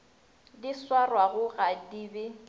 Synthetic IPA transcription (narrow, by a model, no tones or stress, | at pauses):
diswarwaɣʊɣadibɪ